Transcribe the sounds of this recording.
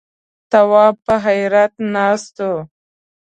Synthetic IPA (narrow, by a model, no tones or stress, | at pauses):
t̪awɑːpəɦajɾat̪nɑst̪o